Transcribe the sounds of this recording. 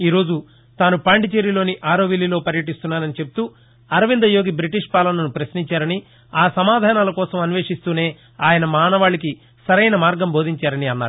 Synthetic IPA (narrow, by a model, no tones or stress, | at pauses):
iːɾo̞ːd͡ʒu | t̪aːnupaːɳɖit͡ʃeɾilo̞ːniʔaːɾo̞ːʋilːilo̞ːpɐɾjɐʈ̬ist̪unːaːɾɐnit͡ʃe̞p̚u̥t̪u | ɐɾɐʋind̪ɐjo̞ːɡibɾiʈiʂpaːlɐnɐnupɾɐsniɲt͡ʃaːɾɐni | aːsɐmaːd̪ʱaːnaːlɐkɔːsɐmɐniʋeːʂist̪uːne̞ː | aːjɐnɐmaːnɐʋaːɭːiki | sɐɾɐjnɐmaːɾɡɐmbʱo̞ːd̪ʱiɲt͡ʃaːɾɐniɐnːaːɾu